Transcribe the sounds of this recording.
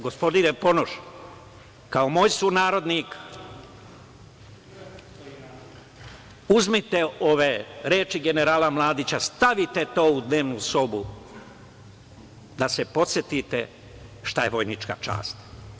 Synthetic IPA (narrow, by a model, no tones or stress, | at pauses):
ɡospo̞d̪iɾepo̞noʃ | kao̞moːjsunaːɾo̞d̪nik | uzmit̪eoʋeɾeːt͡ʃiɡe̞neɾaːlamlˠaːd̪it͡ɕast̪aʋit̪et̪oːud̪ne̞ːʋnuso̞bu | d̪asepo̞t̪sjet̪it̪ḛ | ʃt̪aje̞ʋo̞jnit͡ʃka̰t͡ʃa̰ːst̪